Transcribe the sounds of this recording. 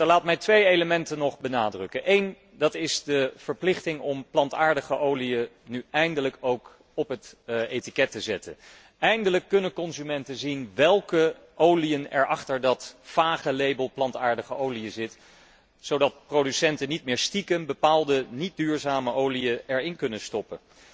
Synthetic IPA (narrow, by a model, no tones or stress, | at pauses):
dlaːt̚mɛjtʋejejləmɛntənɔχbənaːdrɵkənʔejn | dɑtɪzdəv̥əɹplɪχtɪŋɔmplɑntaːɹdəχəʔowliə | nyɛjndələkowk | ɔpɦətejtikɛtəzɛtə̰n | ɛjndələkːɵnənkɔnzymɛntəzinʋɛlˠkə | ʔowliənɛ̰ɹʔɑχtəɹdɑtfaːχəlejbəlˠplɑntaːɹdəχəʔowliəzɪt | z̥owdɑt̚prodysɛntənit̚mɪːɹstikənbəpaːlˠdənit̚dyːɹzaːməʔowliəɛɹɪnkɵnənstɔpən